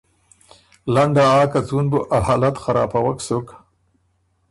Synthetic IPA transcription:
laɳɖ̪aaːkat͡sunbʊʔahalat̪xaɾɑ̰ːpawaksʊk

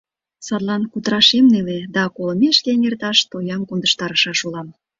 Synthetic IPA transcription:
sɑt̪lɑnkut̪əɾɑʃemneled̪ɑkoləmeʃkenert̪ɑʃt̪ojɑmkond̪əʃt̪ɑɾəʃɑʃulɑm

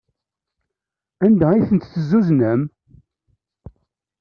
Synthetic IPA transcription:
ænd̪æijθənt̪θəzːuznəm

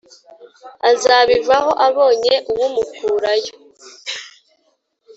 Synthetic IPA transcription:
azaːβivaho̞ʔaβo̞ːɲe̞ʔuwumukʰuːɾajo

